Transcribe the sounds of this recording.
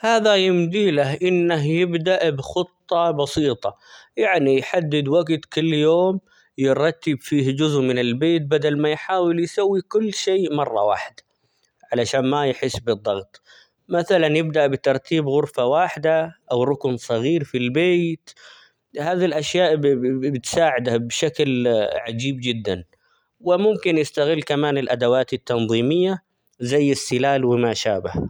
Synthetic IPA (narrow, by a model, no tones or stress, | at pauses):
haːðajɪmd̪iːlaɦʔɪnːaɦjɪbd̪aʔbxɨt̪ˤːɑbɑsiːt̪ˤɑ | jaʕnijħad̪ːɪd̪waɡt̪kɪlːjoːm | jɪɾˤɑt̪ːɪbfiːhd͡ʒʊzʔmɪnɪlbeːt̪̚bad̪almajħaːwɪljsawːikʊlːʃeːmɑrˤːɑ̰wa̰ːħɪd̪ | ʕalaʃaːnmajħɪsːbɨd̪ˤːɑɣt̪ˤ | maθalanjɪb̚d̪aʔbɪt̪ɑɾˤt̪ʰiːbɣʊɾfawaːħɪd̪aʔawɾˤʊknsˤɑɣiːɾfilbeːt̪ | haːðilʔaʃjaːʔbɪt̪saːʕɪd̪abʃaklʕad͡ʒiːbd͡ʒɪd̪ːan | wɪmʊmkɪnjɪst̪aɣɪlːkamaːnɪlʔad̪awaːt̪ɪt̪ːɑnðˤiːmɪjːa | zajːɪsːɪlaːlwɪmaʃaːbah